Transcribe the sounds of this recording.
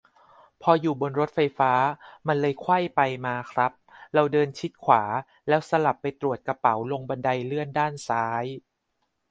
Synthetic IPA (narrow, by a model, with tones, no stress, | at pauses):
pʰɔː˧juː˨˩bo˧nɾo˦˥t̪̚fa˧jfaː˦˥ma˧nlɤː˧jkʰwa˥˩jpa˧jmaː˧kʰɾa˦˥p̚ɾa˧wdɤː˧nt͡ɕʰi˦˥t̪̚kʰwaː˩˦ | lɛː˦˥wsa˧la˨˩pːa˧jt̪ɾu˨˩ə˩t̪̚ka˧pa˩˦wlo˧ŋba˧nda˧jlɯ˥˩əndaː˥˩nsaː˦˥j